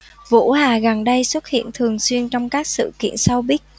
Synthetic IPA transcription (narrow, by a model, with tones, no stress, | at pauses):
vṵ˧˥haː˨˩ɣa˨˩nɗə˧jswə˦˥t̚hḭ˧˨ənt̪ʰɨ˨˩əŋswi˧ənt͡ɕɔ˧wŋ͡mkaː˦˥k̚sɨ̰˧˨kḭ˧˨ənsa˧wɓi˦˥ət̚